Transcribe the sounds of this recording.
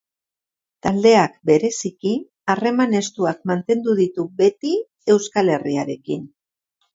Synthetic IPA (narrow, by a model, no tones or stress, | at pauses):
t̪ald̪e̞akbe̞ɾe̞siki | are̞mane̞st̪uakmant̪e̞nd̪uðit̪ube̞t̪i | e̞wskale̞riaɾe̞kin